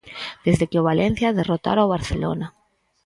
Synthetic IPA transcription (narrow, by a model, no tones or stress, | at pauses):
d̪̥ezðekeoβalen̟θjaðerot̪a̰ɾoaβ̞aɾθelo̰na